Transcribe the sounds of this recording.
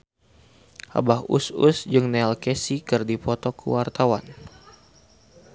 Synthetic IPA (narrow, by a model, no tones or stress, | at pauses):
ʔa̰bahṵsṵsd͡ʒɨŋnɛalkesikɨrdipɔt̪ɔkʰṵwart̪awan